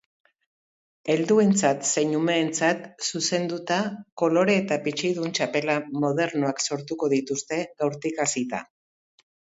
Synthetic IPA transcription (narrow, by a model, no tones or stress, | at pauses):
e̞ld̪ue̞nt͡sat̪se̞ɲume̞ːnt͡sat̪suse̞nd̪ut̪ako̞lo̞ɾe̞ːt̪apit͡ʃijðunt͡ʃape̞lamo̞ð̞e̞ɾnoakso̞ɾt̪uko̞ð̞it̪ust̪e̞ɣawɾt̪ikasit̪a̰